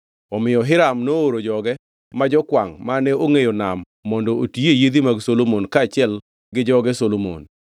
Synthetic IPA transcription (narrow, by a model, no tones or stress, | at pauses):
ɔmɪjɔɦɪɾamnooɾod͡ʒɔɡɛ | mad͡ʒɔkwaŋmanɛoŋejonamː | ɔndɔotiejed̪imaɡsolomonkaːt͡ʃɪɛl | ɡɪd͡ʒɔɡɛsolomo̰n